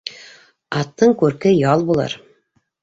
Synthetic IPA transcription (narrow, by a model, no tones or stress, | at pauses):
ɑt̪ːɤɴkʉɾkɘjɑlˠbulˠɑ̰ɾ